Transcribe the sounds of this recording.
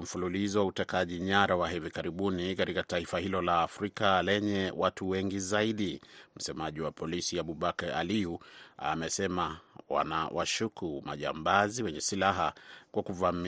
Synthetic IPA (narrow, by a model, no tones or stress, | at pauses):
m̩fululizɔwautɛkaʄiɲaɾawaɦivikaɾiɓunikatikataifahilɔlaːfɾikalɛɲɛwʔatʰuwɛŋɡizaiɗim̩sɛmaʄiwapʰɔlisiaɓuɓakaa̰liua̰mɛsɛmawa̰nawʔaʃukuma̰ʄa̰mbaziwɛɲɛsilaɦakwakuvam